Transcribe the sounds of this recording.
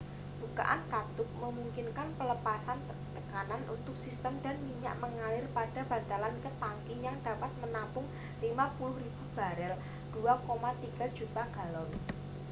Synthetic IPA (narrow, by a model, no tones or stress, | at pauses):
b̥uka̰ʔa̰nkad̪̥ʊk̚məmuŋkɪnkanpələpasan | t̪əkananʔṵnt̪ʊk̚sist̪əmda̤nmiɲa̰ʔməŋalɪrpad̥a̤b̥a̤t̪alankət̪aŋkijaŋd̥a̤pat̪̚mənapʊŋ | limapulʊhɾib̥ṳb̥a̤ɾɛl | d̥uakomat̪iɡ̥a̤̥d͡ʒ̥ut̪aɡ̥a̤lɔn